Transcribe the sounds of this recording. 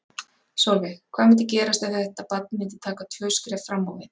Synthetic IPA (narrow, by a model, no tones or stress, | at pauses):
sɔwlvɪkʰv̥aːmɪnt̪ɪcɛːɾast̪aθɛɛht̪apat̪̚nmɪnt̪ɪt̪ʰaːkat̪ʰjœːskɾɛfɾamːawvɪn